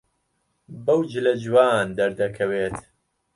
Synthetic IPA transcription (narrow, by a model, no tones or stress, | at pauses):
bɐwd͡ʒɨlɐd͡ʒwaːnd̪ɐɾd̪ɐkʰɐweːt̪